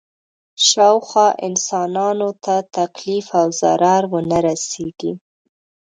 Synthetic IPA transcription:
ʃɑwxwɑʔɪ̰nsɑnɑnot̪ʰat̪aklifawza̰ɾɑɾwənaɾaseɡ̥i

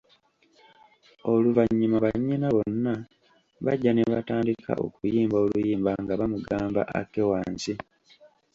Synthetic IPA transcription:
oluvaɲːimaβaɲːinaβo̞nːa | βa̰ɟːaneβa̰taːndikʰa̰ʔo̞̰kujiːmbo̞lujiːmbaŋɡaβamuɡaːmba̰ʔa̰kːewaːnsi

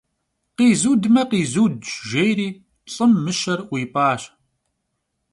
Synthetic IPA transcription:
qiːzuːdmɐqiːzuːdʒʒejɾiː | ɬʼəmːɨʃɐrʷiːpɑːɕ

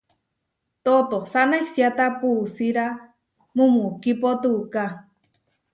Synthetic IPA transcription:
t̪ot̪osanahsjat̪apusiɾa | mumukipot̪uka

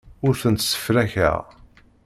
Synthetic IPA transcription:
ʊɾθənt̪sə̥fɾæçæ̰ʁ

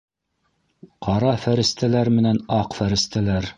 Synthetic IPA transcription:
qɑɾɑfæɾɘ̆st̪ælæɾmɘ̆nænɑqfæɾɘ̆st̪ælæɾ

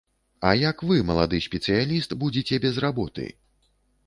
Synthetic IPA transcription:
ɐjɐkvɨmɐlˠad̪ɨsʲpʲɛt̪sɨjalʲist̪bud͡zʲit͡sʲɛbʲɛzrabɔt̪ɨ̰

